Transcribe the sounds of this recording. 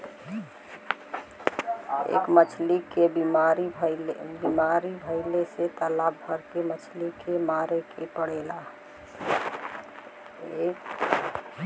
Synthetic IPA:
ḛːkmət͡ʃʰlikeaɾibimaɾibʱəɪleset̪əlabʱəɾkemət͡ʃʰlikemaɾekʰepəɽ̤ela | ek

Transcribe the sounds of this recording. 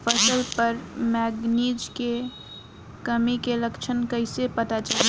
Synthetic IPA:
fʰəsəlpəɾmɛːɡniːd͡ʒke | kəmikeləkt͡ʃʰənkəɪsepɐt̪at͡ʃal

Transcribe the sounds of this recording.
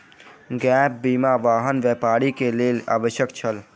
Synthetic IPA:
ɡɛp̚bimaʋaːɦənʋjɛpaɾikelela̰ːbəʃjəkt͡ʃʰəl

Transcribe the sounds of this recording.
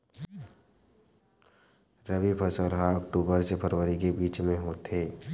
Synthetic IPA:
ɾəbipʰəsəlɦãəkʈuːbəɾsepʰəɾwəɾikebiːt͡ʃmẽɦoːt̪eː

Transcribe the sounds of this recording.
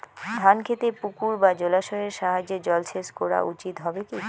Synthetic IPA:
d̪ʱankʰet̪epukuɾbad͡ʑolaʃoɾeɾʃaɦad͡ʑed͡ʑɔlt͡ɕʰeskoɾa̰ʔut͡ɕit̪ɦɔbeki

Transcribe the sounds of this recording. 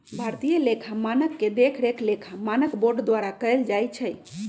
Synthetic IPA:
bʱaɾt̪ijəlekʰamanəkːed̪ekʰɾekʰlekʰamanəkboɾɖd̪waɾakəjld͡ʒajt͡ʃʰəj

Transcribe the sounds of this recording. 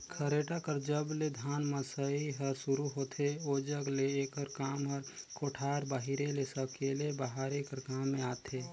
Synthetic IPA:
kʰəɾeːʈakəɾd͡ʒəbled̪ʱaːnməsəiɦəɾsʊɾuɦoːt̪ʰeod͡ʒəɡleeːkəɾkaːmɔɾkoːʈʰaːɾbaːɦiɾelesəkelebaɦaːɾekəɾkaːmːẽaːt̪ʰeː

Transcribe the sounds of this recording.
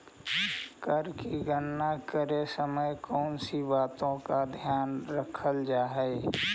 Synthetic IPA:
kəɾkiɡənːakəɾesəməjkɔːnsibaːt̪õkad̪ʱjaːnɾəkʰəld͡ʒaːɦɛː

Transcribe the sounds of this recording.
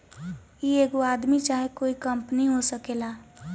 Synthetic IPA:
ieːɡoaːd̪mit͡ʃaːɦekoːikəmpniɦosəkela

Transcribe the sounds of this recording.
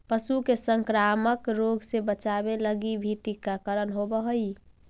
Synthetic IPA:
pəsukesəŋkɾaməkɾoɡsebət͡ʃabeləɡibʱiʈikːakəɾənɦobəɦəi

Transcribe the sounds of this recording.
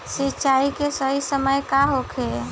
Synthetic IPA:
sit͡ʃaikesəɦisəməjkaɦokʰe

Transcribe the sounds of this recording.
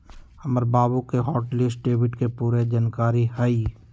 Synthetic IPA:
hɐməɾbaːbukeɦɔːʈlɪsʈ̚ɖeːbɪʈkepuːɾed͡ʒankaːɾihai

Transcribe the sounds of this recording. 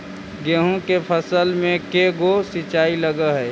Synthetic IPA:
ɡeɦõkepʰəsəlmẽkeɡosɪt͡ʃaːiləɡəɦɛː

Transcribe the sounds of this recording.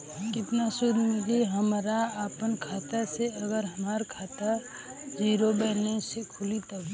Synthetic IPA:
kɪt̪nasʊd̪ʱmɪliɦəmɾaapənkʰaːt̪aseəɡəɾɦəmaːɾkʰaːt̪a | d͡ʒiːɾobɛɪlesekʰʊlit̪a

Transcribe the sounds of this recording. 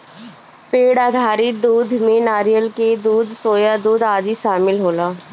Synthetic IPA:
peːɽaːd̪ʱaːɾiːd̪uːd̪mẽːnaːɾijəlkeːd̪uːd̪soːjaːd̪uːd̪aːd̪iːʃaːmɪlɦoːlaː

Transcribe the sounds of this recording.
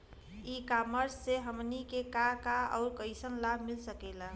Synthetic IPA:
ikaməɾsːeɦəmnikekakaɔ̰ʊɾkəɪsənlabʱmilsəkɛla

